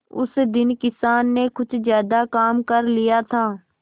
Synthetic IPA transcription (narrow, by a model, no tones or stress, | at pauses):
ʊ̰sd̪ɪnkɪsaːnːekʊt͡ʃʰzjaːd̪akaːmkɐɾlijat̪ʰaː